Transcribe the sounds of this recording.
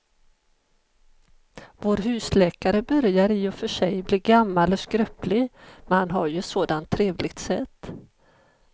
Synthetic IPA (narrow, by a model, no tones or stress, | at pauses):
voːɾɦʉ̟ːslɛːkaɾəbœɾjaɾɪːɔfœʂɛjbliːɡamːalɔskɾœplɪɡmɛnhanɦaɾjɵɛt̪soːd̪ant̪ʰːɾeːvlɪɡ̚t̪sɛt̪ː